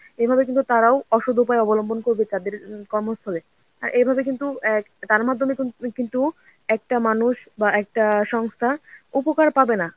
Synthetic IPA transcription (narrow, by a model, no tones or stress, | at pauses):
ebʱabekint̪ut̪aɾaoɔʃod̪ʱupaeɔbolombonkoɾbet̪ad̪eɾkɔɾmost̪ʰale | a̰ɾʔebʱabek̬int̪uɛ | t̪aɾmad̪ʱːomekint̪u | ɛk̚ʈamanuʃbaɛk̚ʈaʃɔŋst̪ʰaupokaɾpabena